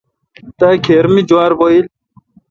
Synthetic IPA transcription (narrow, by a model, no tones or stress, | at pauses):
t̪akʰeːɾmid͡ʑuaːɾboil